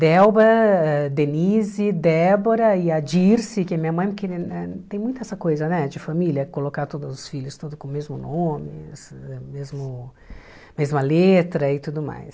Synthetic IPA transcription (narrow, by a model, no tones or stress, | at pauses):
d̪ɛwbɐɛd̪enizɪd̪ɛboɾɐɪɐd͡ʒiɾsɪkɪɐmĩɲɐmɐ̃j̃pʊkɪɛt̪ẽj̃mũt̪ʊɛsɐkojzɐnɛd͡ʒɪfamilʲjɐkolokaɾt̪od̪ʊzʊsfilʊst̪od̪ʊkõmezmʊnõmɪ̰sɛmezmʊ | mezmɐlet̪ɾɐɪt̪ud̪ʊma̰js